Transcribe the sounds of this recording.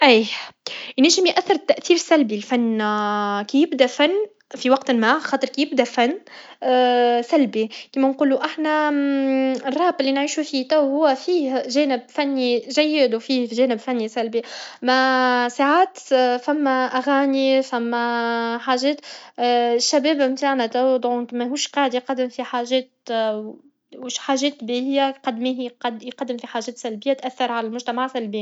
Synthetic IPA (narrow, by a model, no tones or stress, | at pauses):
ʔiːʔniːʃɪmjʔæθːɪɾt̪ːæʔθiːɾsælbilfanː | kijɪbd̪æfanː | fiwɑqt̪nmaxɑːt̪ˤɨɾˤkijɪb̚d̪æfanː | sælbikiːmænquːluʔaħnæ | ɪrˤːɑːbɪlːinʕiːʃufit̪æwhʊwːæfiːhʒɛːnɪb̚fænːiʒæjːɪd̪wfiːhʒɛːnɪbfænːisælbimasaʕaːt̪fæmːæʔaɣaːnifæmːæħaːʒɛːt̪ | ʃːæbɛːbmt̪aːʕnæt̪æwd̪ˤʕk̪mɛɦuːʃqɑːʕəd̪jqɑd̪ːɪmfiħaːʒɛːt̪ | wʃħaːʒɛːt̪biɪjːaqɑd̪ːmiːhqd̪jqɑd̪ːɪmfiħaːʒɛːt̪sælbɪjːat̪ʔæθːɑɾˤʕalælmʊʒt̪æmaʕsælbɪː